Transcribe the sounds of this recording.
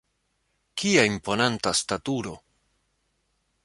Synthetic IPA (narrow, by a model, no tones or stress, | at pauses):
kiaimpo̞nantastatuɾo̞